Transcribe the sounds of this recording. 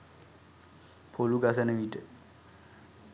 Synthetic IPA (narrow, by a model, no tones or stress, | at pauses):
pʰoluɡas̬ɐnəʋiʈə